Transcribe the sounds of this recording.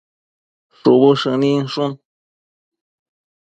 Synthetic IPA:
ʂuβuʂɨnĩʂun

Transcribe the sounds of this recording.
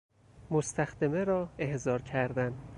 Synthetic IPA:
most̪ʰæxd̪emeɾɒːe̞hzɒːɾcʰæɾd̪æn

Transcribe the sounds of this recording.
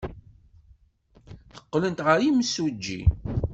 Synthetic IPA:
θə̥qːlənt̪ʁəɾiməsud͡ʒːḭ

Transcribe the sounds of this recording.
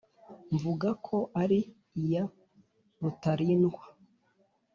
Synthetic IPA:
ɱvuɡakʰo̞ʔaɾiː | ja | ɾutaɾiːnɡwa

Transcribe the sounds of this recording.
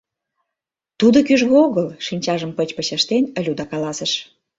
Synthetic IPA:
t̪ud̪okyʒɣeoɣəlʃinʲt͡ɕɑʒəmpət͡ɕpə̆t͡ɕəʃt̪enə̆lʲud̪ɑkɑlɑsə̆ʃ

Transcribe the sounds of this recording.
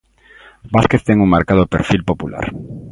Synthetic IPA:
baskeθt̪eŋuŋmaɾkaðopḛɾfilpopula̰ɾ

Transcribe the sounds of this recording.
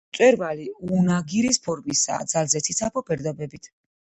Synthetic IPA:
t̪sʼwɛɾvaliunaɡiɾispʰɔɾmisa̰d̪zalzɛtsʰit̪sʰapʰɔbɛɾd̪ɔbɛbit̪ʰ

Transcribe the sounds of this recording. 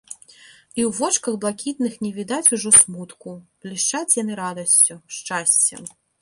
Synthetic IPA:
iwvɔt͡ʂkɐɣblˠakʲit̪̚nɨxnʲɛvʲid̪at͡sʲuʐɔsmut̪kub̥lʲiʂt͡ʂat͡sʲjanɨɾad̪ɐsʲt͡sʲuʂt͡ʂasʲt͡sʲɛ̰

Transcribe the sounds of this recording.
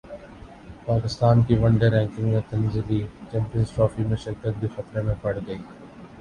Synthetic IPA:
paːkɪst̪aːnkiʋɐ̃ɳɖeɾɛ̃ːŋkɪ̃ŋɡmẽt̪ɐnziliːt͡ʃɛ̃ːmpijənzʈɾɔːfimẽʃɪɾkət̪̚d̪ifɐt̪ɾemẽpɐɽɡɐiː

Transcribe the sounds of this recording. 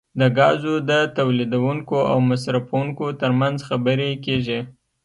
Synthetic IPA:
d̪əɡɑzod̪ət̪awlid̪awuŋkoa̰wmasɾafawuŋkot̪əɾmanzxabəɾekeʒi

